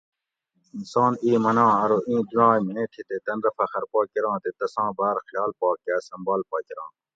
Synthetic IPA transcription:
insɑːniːmɐnãːɐɾoʔĩːd̪uɾãːmeẽːʈʰit̪et̪ɐnɾɐfɐxɐɾpoːkiɾɑ̃ːt̪et̪ɐsãːbaːɾxjɑːlpɑːkaːsɐmbaːlpaːkiɾɑ̃ː

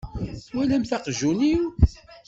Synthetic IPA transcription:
wælæmθɑqʒuniw

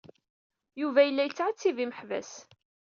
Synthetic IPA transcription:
juvæjəlːæjət͡sːʕat͡sːiviməħvæ̰s

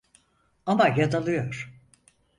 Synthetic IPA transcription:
amajad̪alˠɯjoɾ̥

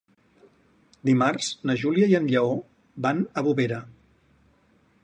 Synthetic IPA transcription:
d̪imarz̥nəʒuliəiənʎəo | banəβuβeɾə

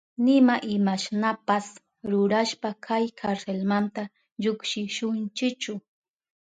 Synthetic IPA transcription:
nɪmaʔɪmaʃnapas | ɾʊɾaʃpakʰajkʰaɾselmant̪a | ʎokʃɪʃʊnt͡ʃɪkt͡ʃʊ

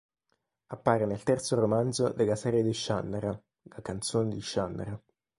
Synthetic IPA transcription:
apːaːɾenelt̪ɛrt̪soɾomand̪zod̪elasɛːɾjed̪iʃːa̰nːaɾa | lakant̪soːned̪iʃːanːa̰ɾa

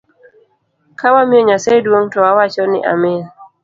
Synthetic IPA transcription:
kawamioɲasajdwoŋtɔwawat͡ʃɔnɪ̰ʔa̰mɪ

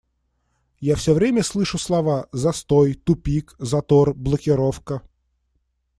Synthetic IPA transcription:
jafsʲɵvɾʲemʲəslˠɨʂʊslˠɐvazɐst̪ojt̪ʊpʲikzɐt̪orblˠəkʲɪɾofkə

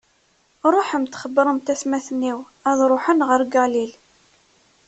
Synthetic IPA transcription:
ɾˤoħəmt̪χəbːɾˤəmt̪æsmæθənːiw | æðˤɾˤoħənʁəɾɡælil

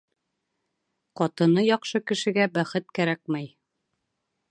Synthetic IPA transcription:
qɒt̪ɤ̆nɤjɒqʃɤkɘ̆ʃɘ̆ɡæbæχɘt̪̚kæɾæk̚mæj

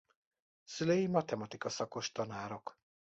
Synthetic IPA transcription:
sylejimɒt̪ɛmɒt̪ikɒsɒko̞ʃt̪ɒnaːɾo̞k

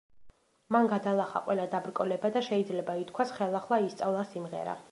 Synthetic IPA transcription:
manɡad̪alˠaχa̰qʼwʔɛlˠad̪abɾkʼɔlɛbad̪aʃɛid̪zlɛbait̪ʰkʰwasχɛlˠaχlˠaist̪sʼavlˠasimʁɛ̰ɾa̰

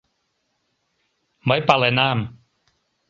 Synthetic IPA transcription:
majpalanaːm

